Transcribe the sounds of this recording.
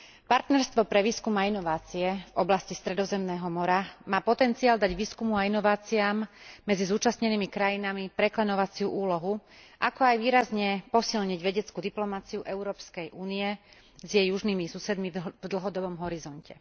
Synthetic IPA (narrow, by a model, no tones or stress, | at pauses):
paɾt̪nɛɾst̪ʋɔpɾɛʋiːskumainɔʋaːt͡siɛvɔblascist̪ɾɛd̪ɔzɛmnɛːɦɔmɔɾamaːpɔt̪ɛnt͡siaːld̪aɟʋiːskumuainɔʋaːt͡siammɛd͡zizuːt͡ʃasɲɛniːmikɾajinamipɾɛklɛnɔʋat͡siuʔuːlɔɦuʔakɔajʋiːɾazɲɛpɔsilɲiɟʋɛɟɛt͡skud̪iplɔmat͡siuʔɛʊɾɔːpskɛjʔuːniɛ | zjɛjːuʒniːmisusɛd̪mivd̪l̩ɦɔd̪ɔbɔmɦɔɾizɔncɛ